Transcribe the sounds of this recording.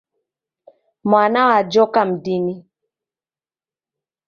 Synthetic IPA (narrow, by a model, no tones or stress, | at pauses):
manawad͡ʒɔkam̩dini